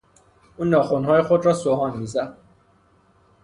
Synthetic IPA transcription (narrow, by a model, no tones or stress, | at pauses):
unːɒːxunɦɔːjexod̪ɾɔsoɦɒnmizæ